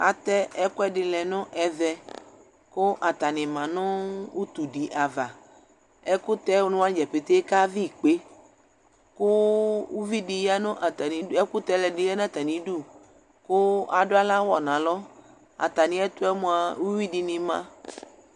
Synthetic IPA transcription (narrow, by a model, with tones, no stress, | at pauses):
a̰˨t̪ɛ˦ɛ˦kʊ˦ɛ˦dɪ˨˧lɛ˨nʊ̃˦ʔɛ˨ðɛ˨ | kʊ˦ʔa˨t̪a˨nɪ̃˨mã˨nʊ̃˦u˦t̪u˨ɖi˨ʔa˨va˨ | ɛ˦kʊ˦t̪ɛ˦wnʊ̃˦a˦d͡ʒɛ˨pe˨t̪e˦ka˦vi˦˨k͡pe˦ | kʊ˦u˦vi˦dɪ˧ja˦nʊ̃˦ʔa˨t̪a˨nĩ˨ɛ˦kʊ˦t̪ɛ˦lɛ˨dɪ˨˦ja˦n˦˨t̪a˨nĩ˨du˦˨ | kʊ˦a˨dʊ˦a˦la˦wɔ˨nã˨lɔ˦ | a̰˨t̪a˨nɪ̃˨˦ɛ˦t̪ʊ˦ɛ˦mõ˨a˨wu˦wi˦dɪ˨nɪ̃˨mã̰˦